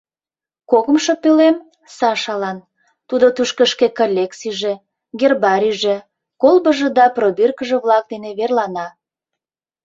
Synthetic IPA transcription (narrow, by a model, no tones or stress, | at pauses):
koɣəmʃopølem | sɑʃɑlɑn | t̪ud̪ot̪uʃkəʃkekolʲeksiʒĕ | ɡerbɑɾʲiʒĕ | kolˠbəʒĕd̪ɑprobirkəʒĕβlɑk̚d̪eneβerlɑnɑ